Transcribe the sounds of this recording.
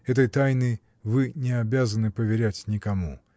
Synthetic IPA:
ɛt̪əjt̪ajnɨ | vɨnʲɪɐbʲazənɨpəvʲɪɾʲætʲnʲɪkɐmu

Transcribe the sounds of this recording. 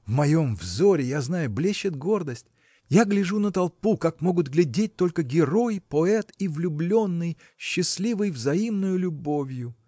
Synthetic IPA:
vmɐjo̞mvzoɾʲɪjaznajʊblʲeɕːɪt̪ɡo̞rd̪əsʲtʲ | jaɡlʲɪʐunət̪ɐlˠpukakmo̞ɡʊt̪ɡlʲɪdʲet̚ʲt̪o̞lʲkəɡʲɪɾo̞jpoɛt̪ivlʲʊblʲo̞nːɨj | ɕːɪsʲlʲivɨjvzɐimnʊjʊlʲʊbo̞vʲjʊ

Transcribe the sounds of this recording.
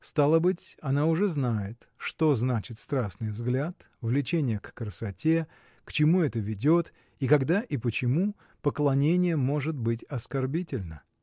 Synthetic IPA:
st̪alˠəbɨtʲɐnaʊʐɛznajɪt̪ | ʂt̪o̞znat͡ɕɪt̪st̪ɾaʂnɨjvzɡlʲat̪ | vlʲɪt͡ɕenʲɪjəkːɾəsɐtʲe̞ | kt͡ɕɪmuɛt̪əvʲɪdʲo̞t̪ | ikɐɡd̪aʔipət͡ɕɪmu | pəklˠɐnʲenʲɪjəmo̞ʐɨt̪̚bɨt̬ʲɐskɐrbʲitʲɪlʲnə

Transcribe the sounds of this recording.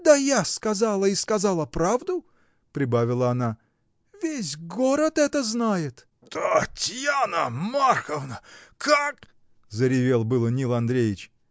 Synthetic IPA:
d̪əjaskɐzalˠəiskɐzalˠəpɾavd̪ʊ | pɾʲɪbavʲɪlˠəːna | vʲes̬ʲɡoɾət̪ɛt̪əznajɪt̪ | t̪ətʲjanəmarxəvnəkak | zəɾʲɪvʲelˠbɨlˠənʲilˠɐnd̪ɾʲejɪt͡ɕ

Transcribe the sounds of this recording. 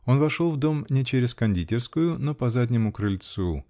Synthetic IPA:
o̞nvɐʂo̞lˠvd̪o̞mnʲɪt͡ɕeɾʲɪskɐnʲdʲitʲɪrskʊjʊno̞pɐzad̪ʲnʲɪmʊkɾɨlʲt̪su

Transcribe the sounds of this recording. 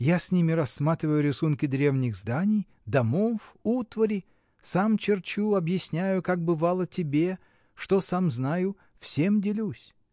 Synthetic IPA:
jasʲnʲimʲɪɾɐsːmat̪ɾʲɪvəjʊɾʲɪsunkʲɪd̪ɾʲe̞vnʲɪɣzd̪anʲɪj | d̪ɐmofut̪vəɾʲɪ | samt͡ɕɪrt͡ɕuɐbjɪsʲnʲæjʊkak̚bɨvalˠətʲɪbʲe | ʂt̪osamznajʊ | fsʲemdʲɪlʲusʲ

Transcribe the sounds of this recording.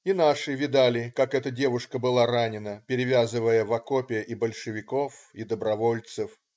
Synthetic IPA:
inaʂɨvʲɪd̪alʲɪkakɛt̪ədʲe̞vʊʂkəbɨlˠaɾanʲɪnəpʲɪɾʲɪvʲazɨvəjəvɐkopʲɪjəʔibəlʲʂɨvʲɪkofid̪əbɾɐvo̞lʲt̪sɨf

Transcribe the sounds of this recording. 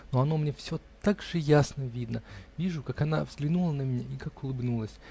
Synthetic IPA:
noɐno̞mnʲefsʲot̪aɡʐɨjasnəvʲid̪nəvʲiʐʊkakɐna̰vzɡlʲɪnulˠənəmʲnʲeikakʊlˠɨbnulˠəsʲ

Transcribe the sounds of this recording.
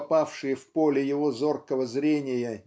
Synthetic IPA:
pafʂɨjəfpo̞lʲɪjɪvo̞zo̞rkəvəzɾʲenʲɪjə

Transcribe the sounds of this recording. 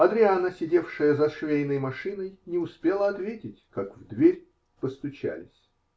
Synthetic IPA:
ɐd̪ɾʲɪanəsʲɪdʲe̞fʂɨjəzɐʂvʲejnəjmɐʂɨnəjnʲɪʊspʲe̞lˠəɐt̪vʲetʲɪtʲkakvd̪vʲeɾʲ | pəst̪ʊt͡ɕæ̰lʲɪ̰sʲ

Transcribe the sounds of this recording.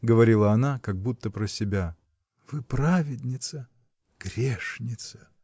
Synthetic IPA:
ɡəvɐɾʲilˠəɐnakaɡ̚but̪ːəpɾəsʲɪbʲa | vɨpɾavʲɪd̪ʲnʲɪt̪sə | ɡ̥ɾʲeʂnʲɪt̪sə̥

